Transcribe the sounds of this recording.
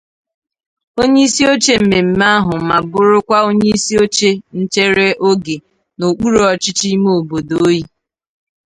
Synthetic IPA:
o˦ɲe˦i˦si˦o˦t͡ʃe˦m̩˨me˨m̩˨ma˦a˦ɦʊ˨ma˨bʊ˦ɾʊ˦kʷa˦o˦ɲe˦i˦si˦o˦t͡ʃe˦n̩˦t͡ʃe˦ɾe˦ʔo˦ɡe˨ | no˨k͡pu˦ɾɔ˦t͡ʃɪ˦t͡ʃi˦mo˦o˨bo˨do˨˦ji˦

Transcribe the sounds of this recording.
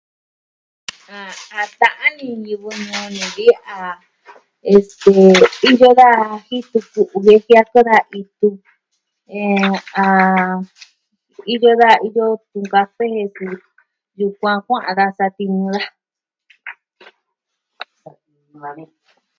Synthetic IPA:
a˨a˧t̪ã˧ʔã˦nĩ˧ɲĩ˧βɨ˧ɲõ˧nĩ˨βi˦a˨˧ | e˧st̪e˨i˦jo˦ða˦hi˦t̪u˧ku˨ʔu˧βe˦hja˦˧ko˦ða˧ʔi˧t̪u˧ | ẽ˧a˨˧ | i˦jo˦ða˦˨i˦jo˦t̪ũ˧ŋɡa˧fe˦he˧su˧ | ju˧kʷã˧kʷã˦ʔã̰˧ða˧sa˧t̪i˧nũ˧ða˦˧ | a˧ĩ˧

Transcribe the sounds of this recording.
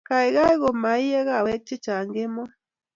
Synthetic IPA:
ka˨i˨ɣa˦i˦ɣo˨ma˨i˦ɛ˦ɣa˦˨wɛ˦t͡ʃːi˦t͡ʃa˨ŋɡe˦mɔ˦

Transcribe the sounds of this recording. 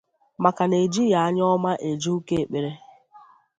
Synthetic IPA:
ma˨ka˨ne˨d͡ʒi˦ja˨a˦ɲ˦ɔ˦ma˦ʔe˨d͡ʒi˦u˦ke˦e˨k͡pe˨ɾe˦

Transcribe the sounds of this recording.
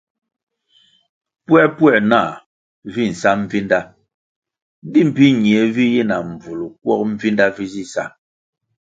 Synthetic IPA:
pwɛ˦pwɛ˦˨na˦˨ | vi˦˨n̩˨sa˦m˦vi˦nda˦ | di˦˨m̩˨pi˦ɲ˨e˨vi˦ji˦na˨m̩˨b͡vu˨lu˨k̚wɔ˦k̚m̩˦vi˦nda˦vi˦zi˦sa̰˦

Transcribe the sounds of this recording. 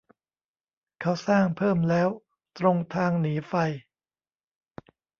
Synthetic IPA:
kʰa˦˥wsaː˥˩ŋpʰɤː˥˩mlɛː˦˥w | t̪ɾo˧ŋt̪ʰaː˧ŋniː˩˦fa˧j

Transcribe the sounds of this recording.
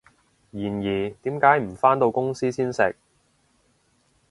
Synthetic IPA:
jiː˨˩njiː˨˩t̪iː˨˥mkaː˨˥jm̩˨˩faː˥nt̪o˧wkʊ˥ŋsiː˥siː˥nsɪ˨k̚

